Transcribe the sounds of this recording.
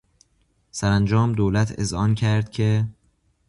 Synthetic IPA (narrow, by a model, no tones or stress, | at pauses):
sæɾænd͡ʒɒːmd̪oːlæt̪ʰḛzhɒːncʰæɾd̪̥̚cʰe̞